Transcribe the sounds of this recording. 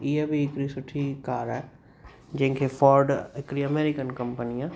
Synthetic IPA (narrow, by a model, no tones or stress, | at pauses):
ijəbʱiːkɾisʊʈʰikaːɾɛː | d͡ʒẽŋkʰefɔːɾɖɪkɾiɐmeːɾɪkənkɐ̃mpənijã